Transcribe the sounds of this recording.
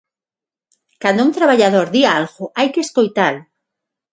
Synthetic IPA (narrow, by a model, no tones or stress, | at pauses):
kand̪ʊunt̪ɾaβaʎaðoɾðialɣʊʔajkeskojt̪al